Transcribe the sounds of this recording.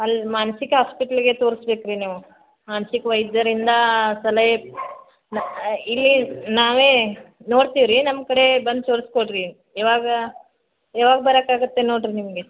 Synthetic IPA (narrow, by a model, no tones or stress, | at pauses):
ɐlmaːnɐsikɐɦaːspiʈɐlɡe̞t̪o̞ːɾsbeːkɾiniːʋu | maːnɐsikʋɐjd̪jɐɾind̪ɐsɐlɐje | nilːinaːʋeːno̞ːɽt̪iʋɾinɐmkɐɽe̞bɐnd̪̚t̪oːɾskoʈɾi | ɛːʋaːɡɐ | ɛːʋaːɡɐbɐɾakaːɡut̪ːe̞noːɽɾinimɐɡe